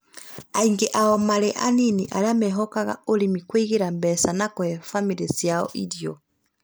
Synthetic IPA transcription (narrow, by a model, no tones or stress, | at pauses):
aiŋɡɛʔaɔmalɛʔaniniʔa̰lamɛɦɔkaɣa̰olimikweiɣeɾambɛsanakɔɛfamiɾɛsjaɔ̰ʔḭdjɔ